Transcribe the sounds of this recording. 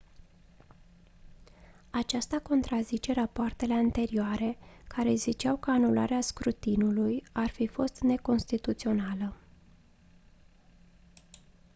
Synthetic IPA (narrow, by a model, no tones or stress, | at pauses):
at͡ʃast̪ako̞nt̪ɾazit͡ʃe̞ɾapoart̪e̞le̞ant̪e̞ɾioaɾe̞kʰaɾe̞zit͡ʃawkəanulʔa̰ɾeaskɾut̪inulujarfifo̞st̪ne̞ko̞nst̪it̪ut̪sio̞nalə